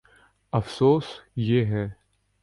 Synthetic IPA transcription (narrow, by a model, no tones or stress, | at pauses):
ɐfsoːsjeɦɛː